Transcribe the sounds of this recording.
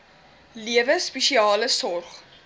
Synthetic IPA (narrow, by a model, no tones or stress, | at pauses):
liəvəspɛʃiɑːləsɔrχ